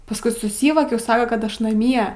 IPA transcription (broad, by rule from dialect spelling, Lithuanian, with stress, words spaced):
pɐsˈkʊɪ sʊˈsʲiːʋoːkʲɛʊ ˈsɑːkɐ kɐt ˈɐʃ nɐˈmʲiɛ